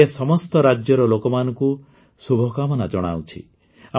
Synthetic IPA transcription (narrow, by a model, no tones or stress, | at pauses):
esɔmɔst̪ɔɾad͡ʒjɔɾɔlokɔmanɔŋku | subʱɔkamɔnad͡ʒɔɽ̃a̰wt͡ʃʰḭ | a